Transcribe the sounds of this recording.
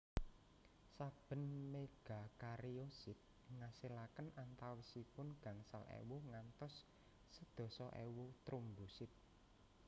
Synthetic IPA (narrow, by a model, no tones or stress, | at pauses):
sab̥ə̤nmeɡ̥a̤kaɾiosɪt̪̚ | ŋasilakənʔant̪awisipʊnɡ̥ä̤ŋsalʔḛwuŋant̪ɔsː | əd̪̥ɔ̤sɔʔḛwut̪ɾumbusɪt̪̚